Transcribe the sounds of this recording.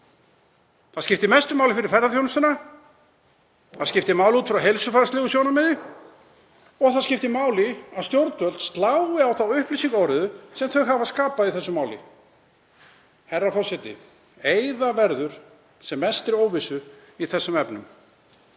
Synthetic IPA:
θaðscɪft̪ɪmɛst̪ʏmaːwlɪfɪɾɪɾ̥fɛɾðaθjownʏst̪ɪna | θaðscɪft̪ɪmawlut̪fɪɾawɦejlsʏfaɾast̪lɪːɣʏsjoːwnamɪðɪ | ɔɣθaðscɪft̪ɪmaːwlɪaðst̪jowɾt̪vœlt̪st̪laːwɪawθawʏhplisiŋkɔwɾɪðʏsɛmθœɣɦavaskaːpaðiθɛsːʏmaːwlɪ̰ | hɛrːafɔsɪt̪ɪ̰ | ejðavɛɾðʏɾ̥ | sɛmːɛst̪ɪɾoːwvɪsʏ | iθɛsːʏmɛpnʏ̰m

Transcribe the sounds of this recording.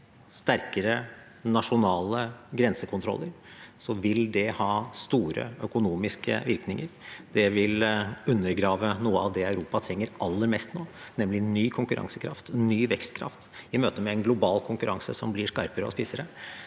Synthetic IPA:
st̪æɾkəɾə | nɑʂʊnɑːləɡɾɛnsəkʰʊnt̪ʰɾɔ̰lːəɾ | sɔʋɪld̪ɛhɑːst̪uːɾə̰œkʊnuːmɪskə̰ʋɪɾknɪŋəɾd̪̥ɛʋɪlʉnːəɾɡɾɑːʋənuːəɑʋd̪ɛæʉɾuːpɑt̪ʰɾɛŋːəɾʔɑlːəɾmɛst̪noːnɛmlɪnyːkʰʊŋkʉɾʔɑ̰ŋsəkʰɾɑ̰ft̪nyːʋɛkst̪kʰɾɑ̰ft̪ɪmøːt̪əmɛɛnɡlʊbɑːlkʰʊŋkʉɾʔɑŋsə̰sɔmblɪʂkɑɾpəɾəɔ̰spɪsəɾə

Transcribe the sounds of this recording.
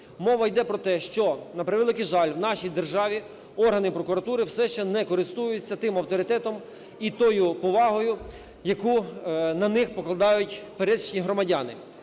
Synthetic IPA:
mɔʋɐjd̪ɛpɾɔt̪ɛʃt͡ʃɔnɐpɾɪʋɛlˠɪkɪʒɑlʲwnɑʃijd̪erʒɑʋʲi | ɔrɦɐnɪpɾɔkʊɾɐt̪uɾɪwsɛʃt͡ʃɛnɛkɔɾɪst̪ujʊt͡sʲːɐt̪ɪmɐwt̪ɔɾɪt̪ɛt̪ɔm | it̪ɔjʊpɔʋɑɦɔjʊ | jɐkunɐnɪxpɔklˠɐd̪ɑjʊtʲpeɾɛʃt͡ʃnʲiɦɾɔmɐdʲɑnɪ

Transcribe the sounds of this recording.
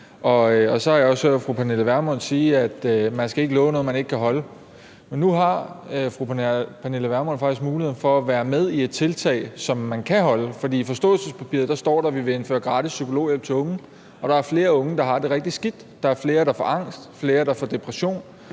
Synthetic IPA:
ʔɒ̽ɒ̽sɒ̽hɑ̈jɑɒ̽sfʁupʰæne̝ləʋæɐmɒn̰siːæd̥mænsɡ̥æe̝ɡ̥əlɔːʊnoːð̩mæne̝ɡ̥ə̥kʰæɦɒ̽lə | menːuɦɑ̈fʁupʰæne̝ləʋæɐmɒnfɑ̈ɡ̥isɡ̥muːlie̝ð̰ˠn̩fɒ̽æʋæːɐmeð̞ˠie̝d̥̚t͡sʰe̝lt͡sʰɛ̰ɪsɒ̽mːænkʰæɦɒ̽ləfɒd̥ḭːfɒ̽sd̥ɔ̰ːl̩səspʰæpʰḭɐ̰ðˠd̥ɑ̈sd̥ɒ̰ːd̥ɾɑ̈ʋiʋe̝e̝nfø̰ːɐɡ̥ʁɑ̈ːd̥isːykʰo̝lo̝̰ːjel̰bt͡sʰe̝ɔ̽ŋ | ɒ̽ɾ̥ɑ̈æɐfle̝ːɐɔ̽ŋəd̥ɑ̈ɦɑ̈d̥e̝ʁɛɡ̥̚d̥isɡ̥id̥ːɑ̈æɐfle̝ːɐɾ̥ɑ̈fɒʔɑ̈ŋ̰sd̥fle̝ːɐd̥ɑ̈fɒ̽d̥e̝pʰʁæɕo̝̰ːn

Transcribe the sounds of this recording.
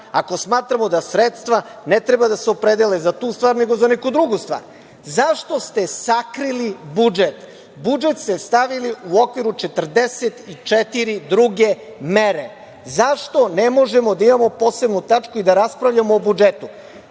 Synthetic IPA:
ako̞smaːt̪ɾamo̞d̪asɾet̪st̪ʋanet̪ɾebad̪aseopɾe̞d̪elezat̪uːst̪ʋaːɾne̞ɡo̞zanekud̪ɾuɡust̪vʋa̰ːɾ | zaʃt̪o̞st̪e̞sakɾilibud͡ʒet̪ | bud͡ʒet̪st̪e̞st̪aʋiliuokʋiɾut͡ʃe̞t̪r̩d̪eset̪it͡ʃet̪iɾid̪ɾuɡe̞ | meɾe | zaʃt̪o̞nemo̞ʒe̞mo̞d̪aimamo̞po̞ːse̞bnut̪at͡ʃkuid̪aɾaspɾaʋʎamoːbud͡ʒet̪u

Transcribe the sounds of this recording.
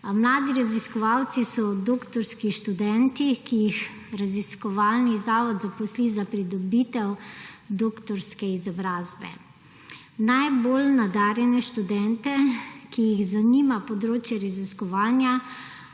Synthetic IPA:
mlaːd̪iɾaziskɔʋawt̪sisɔd̪oːkt̪ɔɾskiʃt̪ud̪ɛnt̪ikijix | ɾaziskɔʋaːlnizaːʋɔd̪zapɔslizapɾid̪ɔbit̪ɛwd̪oːkt̪ɔɾskɛizɔbɾaːzbɛ̰ | najboːlnad̪aːɾjɛnɛʃt̪ud̪ɛnt̪ɛkijiɣzaniːmapɔd̪ɾoːt͡ʃjɛɾaziskɔʋaːnja

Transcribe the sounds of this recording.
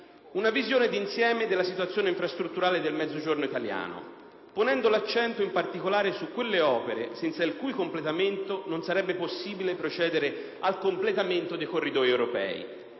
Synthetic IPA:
unavizjoːned̪insjɛːmed̪elːasit̪wat̪sjoːneiɱfɾast̪ɾut̪ːuɾaːled̪elmɛd̪zːod͡ʒornoit̪alja̰ːno̰ | ponɛnd̪olat͡ʃːɛnt̪oimpart̪ikolaːɾesukːwelːeɔːpeɾḛsɛnt̪sailkuːjkomplet̪ament̪ononsaɾɛbːeposːiːbilepɾot͡ʃɛːd̪eɾe | alkomplet̪ament̪od̪ejkorːid̪ɔːjewɾopɛ̰ːḭ

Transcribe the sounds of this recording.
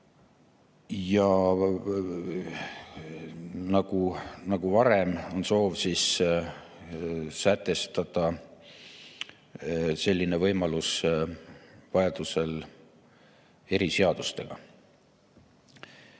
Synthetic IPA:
jɑ | nɑɡ̥unɑɡ̥uvɑɾe̞mo̞nso̞ːvsis | sæt̪ːˑe̞st̪ɑd̪̥ɑ | se̞lʲːinevɤjmɑlus | vɑjɑd̪̥use̞l | e̞ɾiseɑd̪̥ust̪e̞̰ɡ̥ɑ̰

